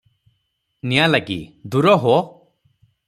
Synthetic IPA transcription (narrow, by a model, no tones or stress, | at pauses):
nijalaɡḭd̪uɾɔɦo